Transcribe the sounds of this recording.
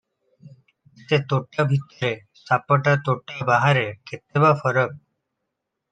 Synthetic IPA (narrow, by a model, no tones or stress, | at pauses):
t̪et̪oʈjabʱit̪əɾe | sapəʈat̪oʈjabaɦaɾekʰet̪ebafəɾək̚